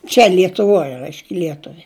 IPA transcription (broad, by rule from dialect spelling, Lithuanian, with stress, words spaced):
t͡ʃʲɛ lʲiɛtʊˈʋoːj ˈrɐɪʃʲkʲ ˈlʲiɛtʊʋʲɪ